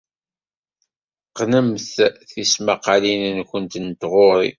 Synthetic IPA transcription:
qnəmθθismaqɑlinənkʷənt̪nt̪ʁʊɾḭ

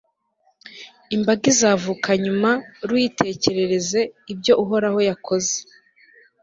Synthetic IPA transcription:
imbaɡizaːvukʰaɲumaɾwitʰe̞ːce̞ɾe̞ɾe̞ze̞ibɟo̞ʔuɦo̞ɾaho̞jakʰo̞ze

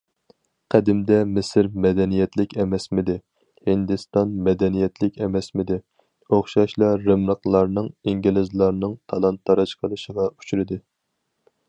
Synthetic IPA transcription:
qʰæd̪ɪmd̪ɛmɪsɪɾmɛd̪ɛnijɛt̪ʰlɪkʲɛmɛsmɪd̪ɪ | hɪnd̪ɨst̪ɑnmɛd̪ɛnijɛt̪lɪkʲɛmɛsmɪd̪ɪ | oχʃɑʃlˠɑɾɨmləqlˠɑɾnɨŋiŋɡʲilɪzlˠɑɾnɨŋt̪ʰɑlˠɑnt̪ʰːɑɾɨʃqʰəlˠɨʃəʁɑu̥t͡ʃʰyɾɪd̪ɪ

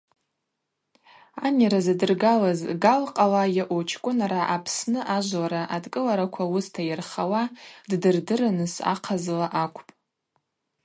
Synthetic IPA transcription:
anaɾazadɨrɡalazɡalqʼalajaʔot͡ʃʰkʷʼʊnaɾaʔapʰsnɨʔaʒʷlaɾaʔadkʼɨlaɾakʷʰawʊstʰajɪrχawaddɨrdɨranɨsa̰qʰazlaʔakʷʰʼpʼ

